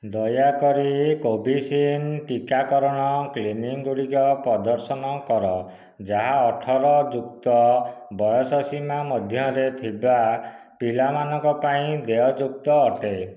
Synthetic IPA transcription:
d̪ɔjakɔɾikobʱisinʈikakɔɾɔɽ̃ɔkliniŋɡuɽikɔpɾɔd̪ɔɾsɔnɔkɔɾɔ | d͡ʒaɦaɔʈʰɔɾɔd͡ʒuk̚t̪ɔbɔjɔsɔsimamɔd̪ʱjɔɾet̪ʰiba | pilamanɔ̃ŋkɔpaĩd̪eɔd͡ʒuk̚t̪ɔːʈe

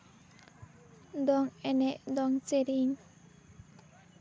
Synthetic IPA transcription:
d̪ɔŋɛnɛʔd̪ɔŋt͡seɾiɲ

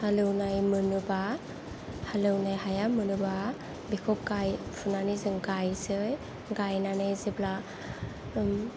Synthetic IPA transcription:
halɯwnajmɯnɯba | halɯwnajɦajamɯnuba | bikʰɔp̚ɡajpʰunanizɯŋɡajsɯj | ɡajnanɯjzibla

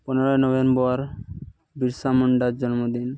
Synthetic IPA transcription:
pɔneɾɔenɔbenbɔɾ | biɾsamɔɳɖaɾd͡ʒɔnmod̪in

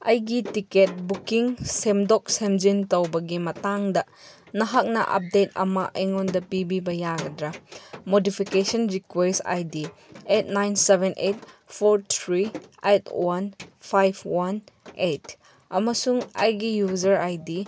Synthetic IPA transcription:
ɐjɡitiket̚bukiŋsemdɔk̚semd͡ʒintɐwbɐɡimɐtaŋdɐ | nɐɦak̚nɐ̰ʔɐ̰p̚det̚ɐ̰mɐʔejŋɔndɐpibibɐjaɡɐdɾɐmodipʰikesɔnɾikwesta̰jdi | et̚najnsebenʔet̚pʰoɾt̪ʰɾietwanpʰajbʰwanet | ɐmɐsuŋɐ̰jɡijuzɐɾajdi

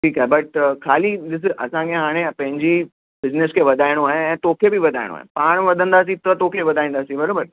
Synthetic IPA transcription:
ʈʰiːkaːɦebɐʈkʰaːliɗ̪ɪs̬ɪʔɐsãkʰeɦaːɽ̃ẽpɐ̃ɦɪ̃ɲd͡ʑi | bɪznɪskʰeʋɐd̪ʱaːɪɽ̃oaːɦeɛ̃ːt̪oːkʰebiʋɐd̪ʱaːɪɽo̰a̰ːɦḛpaːɽ̃ʋɐd̪ʱə̃nd̪aːs̬ĩt̪ɐt̪oːkʰeʋɐd̪ʱaːĩːnd̪aːsĩbɐɾoːbəɾ

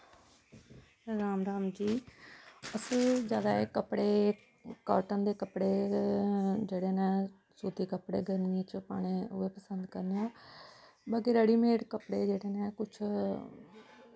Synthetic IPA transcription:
ɾaːmɾaːmd͡ʒiː | əsəld͡ʒjaːd̪aːeːkəpɽeː | ka̰ːɾʈənd̪eːkəpɽeː | d͡ʒeːɽeːnɛ̃ː | suːt̪iːkəpɽḛːɡəɾnĩːt͡ʃpa̰ːɽ̃eːʊeːpəsənd̪kəɾneãː | baːkeːɾəɽiːmeːʈkəpɽeːd͡ʒeːɽeːnɛ̃ːkʊt͡ʃʰ

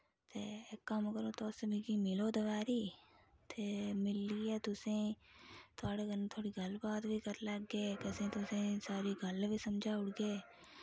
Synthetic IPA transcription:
t̪ḛkːɐmkəɾot̪oːsebʱikimɪloːd̪ɐʋaːɾiːt̪ʰeːmɪlːiet̪ʊsẽ | t̪ʰaːɽekɐɾnt̪ʰoːɽiɡʱɐlbaːd̪bʱikɐɾlɐɡːeːkɐsẽt̪ʊsẽsaːɾiɡʱɐlbʱisɐmd͡ʒʱaʊɽɡeː

